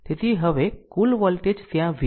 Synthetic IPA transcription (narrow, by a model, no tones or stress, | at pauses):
t̪et̪ʰiːɦəʋekuːlʋɔlʈed͡ʑt̪jãʋi